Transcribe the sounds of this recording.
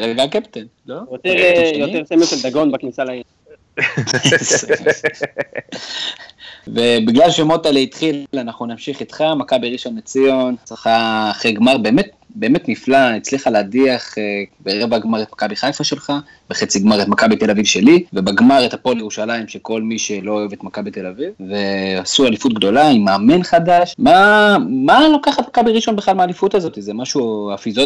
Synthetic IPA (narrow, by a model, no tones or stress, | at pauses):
ʁeɡakept̪en | lojot̪eʁjot̪eʁsemuʃeld̪aɡo̞nbaknisalai | ve̞biɡlalʃemot̪aleit̪χillanaχnunamʃiχit̪χamakabiʁiʃonmet͡sijo̞nsʁiχaːχʁejɡmaʁbe̞ːme̞t̪̚ | be̞ːme̞t̪niflait͡sliχaleadiaχebeʁevaɡmaʁet̪makabiχajfaʃe̞lχa | beχet͡siɡmaʁet̪makabit̪e̞lavivʃe̞live̞baɡmaʁet̪apoljeʁuʃalaimʃeko̞lmiʃe̞lo̞ːevet̪makabit̪e̞lavivve̞asualifut̪̚ɡd̪o̞laimaːme̞nχad̪aʃmamalo̞kaχat̪makabiʁiʃo̞nbeχlalmaːlifut̪azo̞t̪izemaʃuafizo